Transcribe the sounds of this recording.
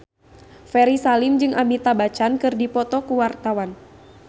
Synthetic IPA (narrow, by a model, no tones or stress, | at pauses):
fɛɾisalimd͡ʒɨŋʔamit̪abat͡ʃankɨrdipɔt̪ɔkuwart̪awan